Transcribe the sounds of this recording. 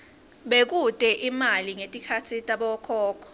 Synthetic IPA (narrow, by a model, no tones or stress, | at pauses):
ɓek̬utʼɛʔimaliŋetʼikʰatʰitʼaɓɔkʰɔːkʰɔ̥